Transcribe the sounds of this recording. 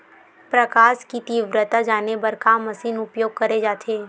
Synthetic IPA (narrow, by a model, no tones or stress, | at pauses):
pɾəkaːʃkit̪iːʋɾət̪ad͡ʒaːnebəɾkaːmːəsiːnʊpjoːɡ̚kəɾed͡ʒaːt̪ʰeː